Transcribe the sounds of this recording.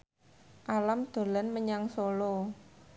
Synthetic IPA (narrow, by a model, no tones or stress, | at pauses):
ʔalamd̪̥o̤lanməɲaŋsolo